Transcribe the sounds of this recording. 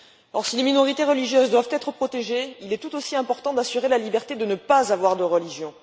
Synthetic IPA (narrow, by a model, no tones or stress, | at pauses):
ɔʁsileminɔʁit̪eʁəliʒjøzd̪wavt̪ɛt̪χəpχɔt̪eʒeilɛt̪ut̪osiɛ̃pɔʁt̪ɑ̃d̪asyʁelalibɛʁt̪ed̪ənəpazavwaʁd̪əʁəliʒjɔ̃